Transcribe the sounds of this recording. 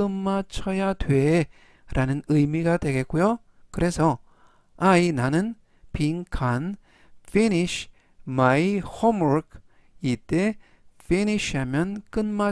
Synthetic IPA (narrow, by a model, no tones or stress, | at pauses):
ɯnmat͡ʃʰɔjat̪ʰwe | ɾʔanɯnɯjmiɡat̪eɡekujo | kɯɾʔeso | ainanɯn | pʰiŋkʰan | finiɕ | majhɔmɹk | itːe | feniʃamjɔnkɯnma